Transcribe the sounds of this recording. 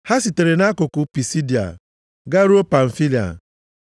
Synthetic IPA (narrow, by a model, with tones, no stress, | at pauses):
ha˦si˨te˨ɾe˨na˦kʊ˨kʊ˨pi˨si˦di˨a̰˨ | ɡa˦ɾu˦o˦pa˨ɱ̩˨fi˦li˨a̰˨